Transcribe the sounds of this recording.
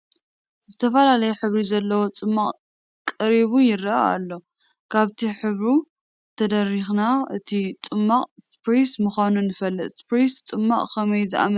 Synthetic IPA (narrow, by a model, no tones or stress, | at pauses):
zɨt̪ʰɐfɐlalɐjuħɨβɾizɐlːɐwo̞t͡sʼɨmːaqʼ | kʼɐɾiβujɪrɐa̰a̰lːo̞ | kʰaβt̪ʰiħɨβɾu | t̪ʰɐd̪ɐrːixnaʔɨt̪ʰit͡sʼɨmːaqʼspɾismɨxʷanunɨfɐlːɨt̪spɾist͡sʼɨmːaʔʼkʰɐmɐjzɨʔa̰mɐ